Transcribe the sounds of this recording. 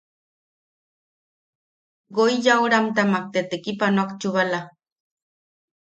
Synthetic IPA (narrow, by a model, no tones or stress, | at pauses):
ɡojjawɾamt̪amak̚t̪et̪ekipanoakt͡ʃuβala